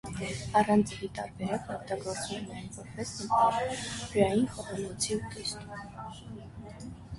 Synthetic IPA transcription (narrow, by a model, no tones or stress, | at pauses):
ɑrɑnt͡sʰlit̪ɑɾbɛɾɑk̪ɔkt̪ɑɡɔɾt͡svɛnɑjnvɔɾpɛsnəkʰɔvpɾɑjinχɔʁɑnɔt͡sʰiut̪ɛst̪um